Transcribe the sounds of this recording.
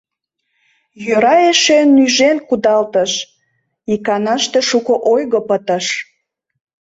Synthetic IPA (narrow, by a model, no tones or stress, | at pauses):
jøɾɑeʃenːyʒenkud̪ɑlt̪əʃ | ikɑnɑʃt̪eʃukoʔojɣopət̪əʃ